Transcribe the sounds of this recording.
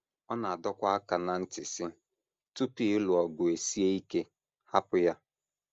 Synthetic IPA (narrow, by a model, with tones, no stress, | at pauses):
ɔ˦na˨a˨dɔ˦kʷa˦a˦ka˨na˨n̩˦tɪ˨sɪ˦ | tu˦pi˦lʊ˨ɔ˨ɡʊ˨e˨si˦e˦i˦ke˦ | ha˦pʊ˦ja˦